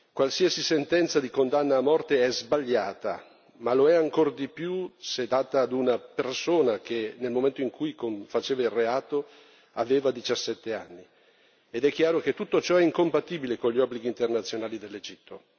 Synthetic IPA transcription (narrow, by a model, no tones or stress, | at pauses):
kwalsiasisent̪ɛnt̪sad̪ikond̪anːaːmːɔrt̪eɛzbaʎːaːt̪a̰ | maloɛaŋkord̪ipjused̪aːt̪aːd̪unapersoːnak̟enelmoment̪oiŋkujkoɱfat͡ʃeːvaireaːt̪o | aveːvad̪it͡ʃasːɛt̪ːea̰nːi | ed̪ɛkːjaːɾok̟et̪ːut̪ːot͡ʃɔɛiŋkompat̪iːbilekonʎiɔbːliɡiːnt̪ernat̪sːjonaːlid̪elːed͡ʒit̪ːo